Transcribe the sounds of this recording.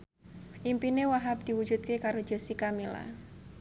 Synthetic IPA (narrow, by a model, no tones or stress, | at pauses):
ʔimpinewaɦap̚d̪̥i̤wud̥d͡ʒut̪̚kekaɾo̥d͡ʒ̥ə̤sikamila̰